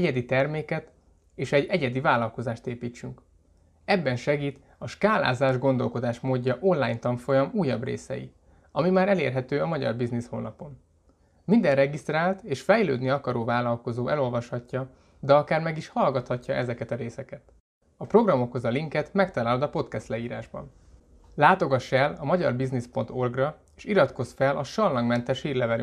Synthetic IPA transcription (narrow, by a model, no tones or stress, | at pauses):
ɛɟɛd̪it̪ɛrmeːkɛt̪ | eːʃɛɟɛɟɛd̪ivaːlɒlko̞zaːʃt̪eːpiːt͡ʃːyŋk | ɛbːɛnʃɛɡiːt̪ | ɒʃkaːla̰ːzaːʒɡo̞nd̪o̞lko̞d̪aːʃmoːɟːɒʔo̞nlaːjɲnt̪ɒmfo̞jɒmuːjːɒbrḛːsɛ̰jḭ | ɒmimaːɾɛlḛːrɦɛt̪øːɒmɒɟɒ̰rbiznisho̰lnɒpo̞n | mind̪ɛrrɛɡist̪raːlt̪eːʃfɛjlø̰ːd̪niɒkɒɾoːvaːlɒlko̞zoːʔɛlo̞lvɒʃhɒcːɒ | d̪ɛɒkaːrmɛɡiʃhɒlɡɒt̪hɒcːɒʔɛzɛkɛt̪ɒɾeːsɛkɛt̪ | ɒpro̞ɡrɒmo̞kho̞zɒliŋkɛt̪mɛkt̪ɒlaːld̪ɒpo̞t̪kɛst̪lɛiːɾa̰ːʒbɒ̰n | laːt̪o̞ɡɒʃːɛlɒmɒɟɒ̰rbiznispo̞nt̪o̞rɡrɒeːʃiɾɒt̪ko̞sfɛlʔɒʃɒlːɒŋɡmɛnt̪ɛʃhiːrlɛvɛly